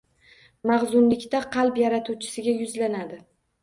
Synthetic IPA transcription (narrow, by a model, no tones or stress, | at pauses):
maʁzʊnlɪkʲt̪aqʰɑlˠpjaɾat̪ʰut͡ʃʰɪ̥sɪɡʲajʊzlanad̪ɪ